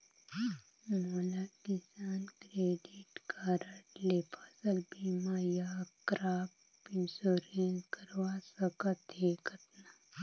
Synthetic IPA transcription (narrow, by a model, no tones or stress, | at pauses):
moːlakisaːnkɾeːɖiʈkaːɾəʈleːpasɐlbiːmaːjaːkɾaːp | insoːɾẽːnskɐɾʋaːsɐkət̪ɦeːkɐt̪na